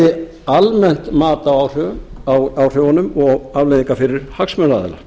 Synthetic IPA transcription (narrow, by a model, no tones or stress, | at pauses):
ɪ | almɛn̥t̪maːt̪awawr̥ʏ | awr̥owanʏmɔɣavlejðiŋkafɪɾɪɾ̥haksmœnaðɛ̰la̰